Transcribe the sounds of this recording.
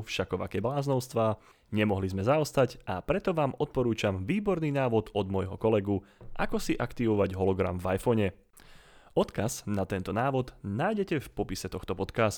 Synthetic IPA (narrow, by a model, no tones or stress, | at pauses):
fʃakɔʋa̰kɛblaːznɔʊst̪ʋaː | ɲɛmɔɦlizmɛzaɔst̪aɟʔapɾɛt̪ɔʋaːmɔt̪̚pɔɾuːt͡ʃamʋiːbɔɾniːnaːʋɔd̪ɔd̪mɔjɦɔkɔlɛɡuʔakɔsiʔakt̪iʋɔʋaɟɦɔlɔɡɾa̰mvajfɔɲɛ | ɔt̪kaz̥nat̪ɛnt̪ɔnaːʋɔd̪naːjɟɛcɛfpɔpisɛt̪ɔxt̪ɔpɔt̪kaːst̪